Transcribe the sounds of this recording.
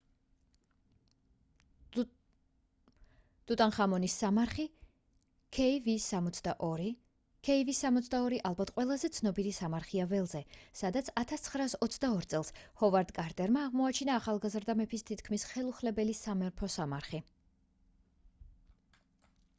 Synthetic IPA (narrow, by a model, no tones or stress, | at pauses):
d̪̥ut̪ʼanχamɔnisːamaɾχi | kʰɛivisːamɔt̪sʰd̪aʔɔɾi | kʰɛivisːamɔt̪sd̪aɔɾiʔalˠbat̪ʰqʼwɛlˠazɛt̪sʰnɔbiɾisamaɾχiavɛlˠzɛsad̪at̪sʰat̪ʰast̪sʰχɾaːsɔt̪sʰd̪aɔɾt̪sʼɛlˠshɔvaɾd̪kʼaɾt̪ʼɛɾmaːʁmɔat͡ʃʰinaːχalˠɡazɾd̪amɛpʰist̪ʰit̪ʰkʰmisχɛlˠuχlɛbɛlisamɛɾpʰɔsamaɾχi